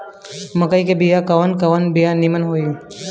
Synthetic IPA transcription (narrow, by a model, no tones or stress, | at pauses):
məkəikebijakɐʋənkɐʋənbijanimənɦoːiː